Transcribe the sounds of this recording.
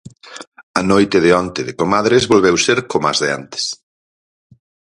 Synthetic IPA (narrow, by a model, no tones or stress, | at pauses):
ɐnojt̪ɪðɪɔnt̪ɪðɪkomaðɾezβolβewseɾkoma̰zðɪa̰nt̪e̥s